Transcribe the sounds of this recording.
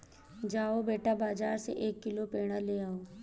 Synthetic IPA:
d͡ʒaːobeːʈabaːd͡ʒaːɾsḛʔeːkːɪlopeːɽ̃aleːaːoː

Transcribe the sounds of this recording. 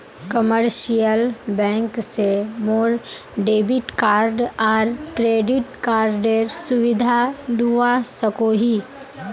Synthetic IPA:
kəməɾʃijəlbɛ̃ːŋksemoːɾ | ɖeːbɪʈkaːɾɖɔːɾʈɾeːɖɪʈkaːɾɖeɾsʊʋɪd̪ʱad̪uasəkoɦi

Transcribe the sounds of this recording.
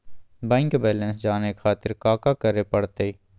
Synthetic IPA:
bɛ̃ːŋkbɛːlɛ̃nsd͡ʒaːnekxaːt̪ɪɾkaːkakəɾepɐɽt̪e

